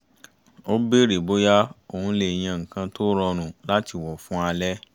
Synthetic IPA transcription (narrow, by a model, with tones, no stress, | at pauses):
o˦be˦ɾe˨bo˦ja˦o˨hũ˧le˨j̃ã˧ŋ̩˨kã˧to˦ɾɔ˧ñũ˨la˦ti˧˨wɔ˨fũ˦a˧lɛ˦